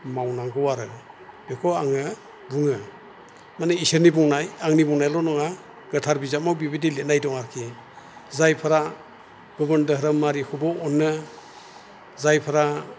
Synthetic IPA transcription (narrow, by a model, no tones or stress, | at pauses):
mawnaŋɡɔwaɾɯ | bekʰɔaŋɯ | buŋɯ | manɯiseɾnibuŋnajaŋnibuŋnajlɔnɔŋa | ɡɯtʰaɾbizat̚mawbibidilet̚najdɔŋaɾkʰi | zajpʰaɾa | ɡ̥ɔbəndəɦɾəmːaɾikʰubɔɔnːɯ | zajpʰaɾa